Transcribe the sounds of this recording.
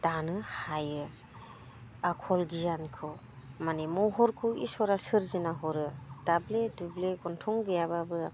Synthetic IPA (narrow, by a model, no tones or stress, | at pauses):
d̥anɯhajɯ | akʰɔlɡijankʰɯw | manemɔwɦɔɾkʰɯwḭsɔɾasɯɾzɯnaɦɔɾɯd̥abledubleɡɔntʰɔŋɡɯjababɯ